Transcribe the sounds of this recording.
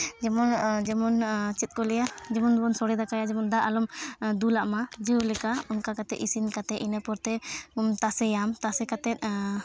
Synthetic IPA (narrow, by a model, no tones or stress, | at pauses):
d͡ʒɛmɔnd͡ʒɛmɔnt͡ʃɛt̪̚ˀkɔlɛjad͡ʒɛmɔndbɔnsɔɽɛd̪akajad͡ʒɛmɔnd̪aʔalɔmd̪ulaʔmad͡ʒəlɛkaɔŋkakat̪ɛʔisinkat̪ɛʔinapɔɾt̪ɛɔmt̪asɛjamt̪asɛkat̪ɛt̪̚ˀ